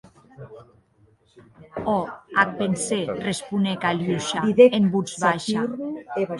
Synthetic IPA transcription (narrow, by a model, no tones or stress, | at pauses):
ɔak̚penserespunekaluʃaiðeembud͡zβaʃae